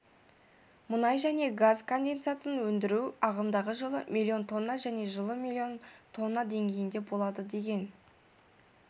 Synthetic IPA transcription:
mʊnɑjʒæne̞ɡazkʰo̞nd̪e̞nt̪sɨjasənwɵnd̪ɪɾuɑʁəmd̪ɑʁəʒəlˠəmʲʔilʲˠːio̞nt̪ʰo̞nːɑʒæne̞ʒəlˠəmʲilʲːio̞nt̪ʰo̞nːɑd̪e̞ŋɡʲe̞jɪnd̪e̞bo̞lˠɑd̪əd̪e̞ɡʲe̞n

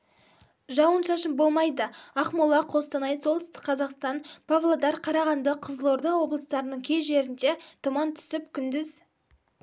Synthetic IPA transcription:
ʒɑwənʃɑʃəmbo̞lˠmɑjd̪əɑχmʊlˠɑqʰo̞st̪ənɑj̪so̞lˠt̪ʰʏst̪ɪ̥k̚qʰɑzɑqst̪ɑnpʰavlˠad̪ɑɾqʰɑɾɑʁɑnd̪əqʰəzəlˠoɾd̪ɑwo̞blˠəst̪ɑɾənəɴkʲʰe̞ʒe̞ɾɪnd̪et̪ʰʊmɑnt̪ʰʏ̥sɪpkʲʰʏnd̪ɪz

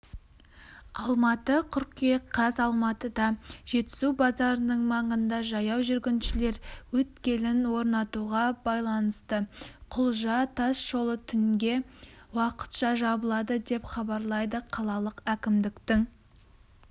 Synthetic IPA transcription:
ɑlˠmɑt̪əqʰʏɾkeqʰɑzɑlˠmɑt̪əd̪ɑʒ̥e̞t̪ːɪ̥szubɑzɑɾənəɴmɑɴənd̪ɑʒɑjɑwʒʏɾɡʲɪnʃɪle̞ɾwɵt̪kʲe̞lɪnwo̞ɾnɑt̪uʁɑbɑjlˠɑnəst̪əqʰʊlˠʒɑt̪ʰɑsʒ̥o̞lˠət̪ʰʏŋɡʲe̞wɑqə̥t̪ʃɑʒɑbəlˠɑd̪əd̪e̞pχɑbɑɾlˠɑjd̪əqʰɑlˠɑlˠəqækʲɪmd̪ɪkt̪ɪŋ

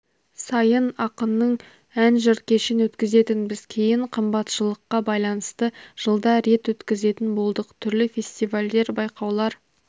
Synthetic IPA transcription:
sɑjənɑqənːəɴ | ænʒəɾt̪̚kʲʰe̞ʃɪnwɵt̪kʲɪze̞t̪ɪnbɪzkʲʰe̞jɪɴqʰəmbɑt̪ʃəlˠəqːɑbɑjlˠɑnəst̪əʒ̥əlˠd̪ɑɾe̞t̪wɵt̪kʲɪze̞t̪ɪnbo̞lˠd̪əqət̪ʰʏɾlɪfʲe̞st̪ijvalʲd̪e̞ɾbɑjqɑwlˠɑɾ

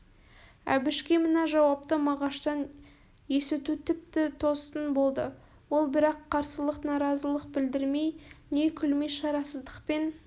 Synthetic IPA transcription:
æ̰bɪʃkʲemənɑʒɑwɑp̚t̪əmɑʁɑʃt̪ɑn | je̞sɪt̪ut̪ʰɪp̚t̪ɪt̪ʰo̞st̪ənbo̞lˠd̪ə | wo̞lˠbɪɾɑqʰːɑɾsəlˠəqnɑɾɑzəlˠəq̚bɪld̪ɪɾme̞jne̞kʲʰʏlme̞ʃɑɾɑsəzd̪əqpe̞n

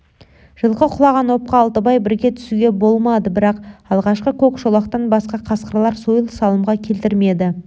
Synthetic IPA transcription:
ʒ̥əlˠqəqʰʊlˠɑʁɑnwo̞p̚qɑːlˠt̪əbɑjbɪɾɡʲe̞t̪ʰʏ̥suɡʲe̞bo̞lˠmɑd̪əbɪɾɑqɑlˠʁɑʃqəkʲʰɵkʃolˠɑqt̪ɑnbɑsqɑqʰɑsqəɾlˠɑɾsojəlˠsɑlˠəmʁɑkʲʰe̞lt̪ɪɾme̞d̪ɪ

